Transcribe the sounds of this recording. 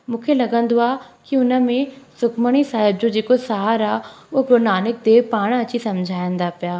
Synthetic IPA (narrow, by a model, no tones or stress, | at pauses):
mũːkʰelɐɡə̃nd̪oaːkiʊnə̆mẽsʊkməɽ̃isaːɦɪb̚d͡ʑod͡ʑeːkosaːɦɾaːʊɦopɾoːnaːnɪk̚d̪eːpaːɽ̃ɐt͡ɕisɐmd͡ʑʱaːjə̃nd̪apijaː